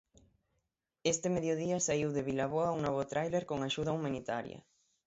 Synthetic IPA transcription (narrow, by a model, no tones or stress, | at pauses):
est̪emeðjoðiasaiwðeβilaβ̞oauŋnɔβ̞ot̪ɾajleɾkoŋaʃuðaumãnit̪aɾja̰